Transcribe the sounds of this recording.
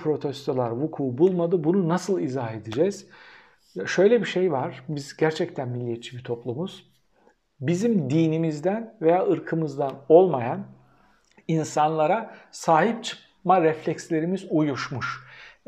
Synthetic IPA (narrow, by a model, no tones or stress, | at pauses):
pʰɾo̞t̪ʰɛst̪ʰolˠaɾvukʰuːbulˠmad̪ɯbununasɯlˠizaɦe̞d̪id͡ʒɛz̥ | ʃø̞jlʲɛbiʃejvaɾ̥bizɟæɾt͡ʃʰɛct̪ʰænmilʲːijet̪t͡ʃʰibit̪ʰo̞plˠumuz̥ | bizimd̪iːnimizd̪ænve̞jaːʔɯɾkʰɯmɯzd̪ano̞lˠmajan | insanlˠaɾasaːɦip̚t͡ʃʰɯ̥p | maɾɛflʲɛcslʲe̞ɾimizujuʃmuʃ